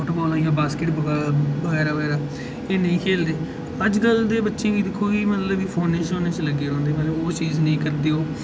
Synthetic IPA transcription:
ɔːʈobɔːlãːjãːbaːskɪʈbbəɣɛːɾaːbəɣɛːɾaː | eːnə̃ĩːkʰeːld̪eː | əd͡ʒɡəld̪eːbətːʃẽːɡiːd̪ɪkʰːoːkiːmət̪ləbiːpʰoːneːt͡ʃõːneːt͡ʃləɡːeːɾɔ̃ːnd̪eːmːleːoːt͡ʃiːznəĩːkəɾd̪eːɦoː

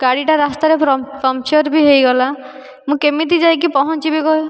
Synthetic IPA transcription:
ɡaɽiʈaɾast̪aɾeɾɔpɾɔmt͡ʃɔɾbʱiɦejɡɔla | mũkemit̪̬id͡ʒajk̬ipɔɦɔnt͡ʃibikɔɦe

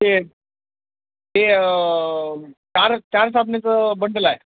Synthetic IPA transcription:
e | ɦe | t͡ɕaɾt͡ɕjaɾs̬apnet͡səbəɳɖəlae

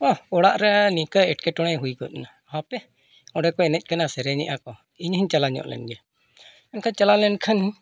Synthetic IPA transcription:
ɔɔɽaʔɾɛnikəɛʈ̚kɛʈɔɽ̃ɛjɦujkɔt̪̚na | hapɛ | ɔɖɛkɔɛnɛc̚ˀkanasɛɾɛɲɛ̰ʔakɔ | iɲɦəɲt͡ʃalaɲɔ̰ʔlɛ̰nɡɛ | ɛnkʰant͡ʃalalɛnkʰənh

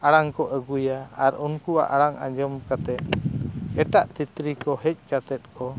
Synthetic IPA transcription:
aɽaŋkɔʔəɡujaaɾunkua̰ʔaɽaŋa̰ɲd͡ʒɔmkat̪ɛʔ̪̚ɛʈaʔt̪it̪ɾikɔɦɛc̚ˀkat̪ɛt̪̚kʰɔ

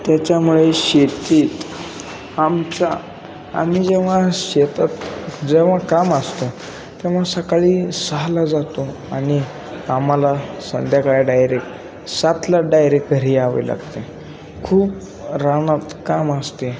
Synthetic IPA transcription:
t̪jat͡ɕamuɭeɕet̪iːt̪ | amt͡sa | a̰mid͡zeʋ̤ãɕet̪at̪d͡zeʋ̤ãkaməst̪o | t̪ɛʋ̤asəkaɭiːsəɦlad͡zat̪o | aɽ̃i | am̤alasənd̪jakaɭaɖajɾek | sat̪laɖajɾekɡʱəɾiːaʋə̰la̰ɡt̪e | kʰuːp | ɾaɽ̃at̪kaməst̪e

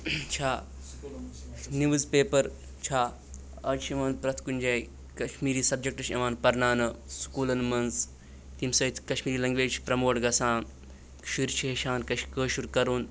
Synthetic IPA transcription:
t͡ʃʰaː | niʋɨzpeːpɐɾ | t͡ʃʰaː | ɐt͡ʃʰimɐnzpɾɐt̪ʰkunʲd͡ʒɐːj | kɐʃmiːɾiːsɐb̚d͡ʒek̚ʈɐʃɐʋaːnpɐɾnaːnɐskuːlɐnmɐnz | t̪imsɐit̪ʰkɐʃmiːɾiːlɐŋɡʋeːt͡ʃʰi̥pɾɐmoːʈɡɐsaːn | ʃiɾt͡ʃʰiɦeʃaːnkɐʃkəːʃuɾkɐɾuːn

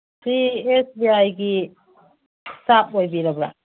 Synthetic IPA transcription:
siesbiajɡi | sap̚ojbiɾabɾa̰

